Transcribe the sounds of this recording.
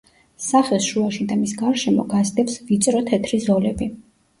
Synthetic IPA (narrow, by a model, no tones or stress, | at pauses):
saχɛlˠsʃuaʃid̪amisɡaɾʃɛmɔ̰ɡazd̪ɛpsvit̪sʼɾɔt̪ʰɛt̪ʰɾizɔlɛbi